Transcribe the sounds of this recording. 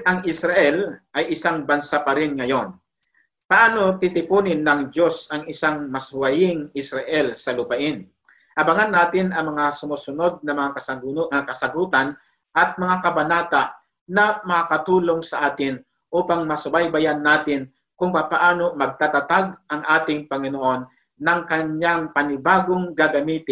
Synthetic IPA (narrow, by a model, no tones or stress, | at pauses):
ɐŋʔɪsɾaʔɛlʔɐjʔɪsaŋbɐnsapɐɾɪnŋɐjo̞n | pɐʔaːno̞t̪ɪt̪ɪpuːnɪnːɐŋd͡ʒo̞sɐŋɪsaŋmɐsʊwɐjɪŋɪsɾɐʔɛlsɐlʊpɐʔɪn | ʔɐbɐŋanːaːt̪ɪnʔɐŋmɐŋasʊmuːsʊno̞d̪̚nɐmɐŋakɐsɐɡakɐsɐɡuːt̪an | ʔɐt̪̚mɐŋakɐbɐnaːt̪aʔ | nɐmɐkakɐt̪uːlo̞ŋsɐʔaːt̪ɪn | ʔuːpaŋmɐsʊbajbajanːaːt̪ɪn | kʊŋpaːpɐʔaːno̞mɐɡ̚t̪at̪ɐt̪aɡ̚ʔɐŋʔaːt̪ɪŋpɐŋɪnoʔo̞nː | ɐŋkɐɲaŋpɐnɪbaːɡoŋɡaɡɐmiːt̪ɪ